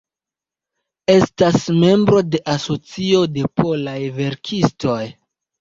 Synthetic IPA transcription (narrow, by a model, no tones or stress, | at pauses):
e̞stasme̞mbɾo̞de̞ʔaso̞t͡sio̞de̞pʰo̞lajve̞ɾkʰisto̞j